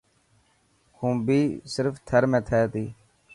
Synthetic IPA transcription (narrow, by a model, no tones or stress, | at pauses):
kũːbiːsɪɾft̪ʰəɾmẽːt̪ʰɛːt̪iː